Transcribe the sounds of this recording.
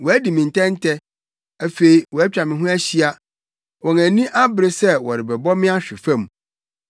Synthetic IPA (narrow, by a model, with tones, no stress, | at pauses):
wɔ˨æ˦di˨mɪ̃˨n̩˨tʰɛ̃˦n˦tʰɛ˦ | æ˦fe˨i˨wɔ˨æ˦t͡ɕᶣa˨mɪ̃˨ɦʊ̃˦æ˦ɕi˦a˦ | wɔ̃˨næ̃˨nĩ˦ʔa˦bɪ˦ɾɪ˦sɛ˦wɔ˨ɾɪ˨bɛ˨bɔ˦mɪ̃˦a˦ɕᶣɪ˨fã˦˨m˨